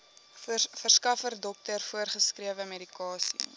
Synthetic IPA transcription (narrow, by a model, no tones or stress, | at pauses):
fərskɐfərdɔk̚tərfuərχəskriəvəmeɾikɑːsḭ